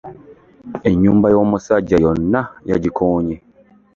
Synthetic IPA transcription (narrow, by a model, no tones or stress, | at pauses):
e̞ɲːuːmbajo̞ːmusaɟːajonːajaɟikʰoːɲe